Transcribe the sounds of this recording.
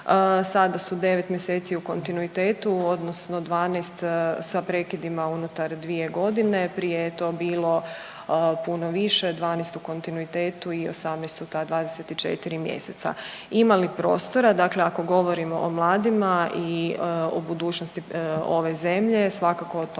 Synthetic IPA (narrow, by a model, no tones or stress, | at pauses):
sad̪asud̪e̞ʋe̞t̪mje̞seːt̪siuko̞nt̪inuit̪eːt̪uo̞d̪nosno̞d̪ʋaːnejst̪sapɾe̞kid̪imaunut̪aɾd̪ʋie̞ɡo̞d̪inepɾijejet̪o̞ːbiːlˠo̞ | puno̞ʋiʃe̞d̪ʋaːnest̪uko̞nt̪inuit̪eːt̪uio̰samnest̪ut̪ad̪ʋaːd̪eset̪it͡ʃḛt̪iɾimjḛset̪sa̰ | imalipɾo̞̰ːst̪o̞ɾad̪akleako̞ɡo̞ʋo̞ɾimo̰ʔomlˠaːd̪imaʔio̰bud̪uːt͡ʃnost̪io̞ʋe̞ze̞mʎe̞sʋakakoot̪